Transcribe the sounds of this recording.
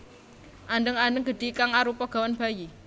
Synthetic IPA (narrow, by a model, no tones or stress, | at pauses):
ʔaɳɖəŋanɖəŋɡ̥əɖ̥ikaŋaɾupɔɡ̥a̤wanb̥aji